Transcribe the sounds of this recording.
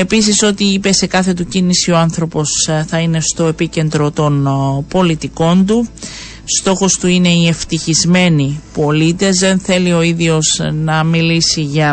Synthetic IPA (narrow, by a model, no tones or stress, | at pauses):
e̞pis̬iso̞t̪iipe̞se̞kɐθe̞t̪ucinisio̞ɐnθɾo̞po̞sθɐine̞st̪o̞e̞pice̞nd̪ɾot̪o̞npo̞lit̪iko̞nd̪u | st̪o̞xo̞st̪uine̞ie̞ft̪içizme̞nipo̞lit̪e̞zðe̞nθe̞lio̞iðio̞znɐmilisiʝɐ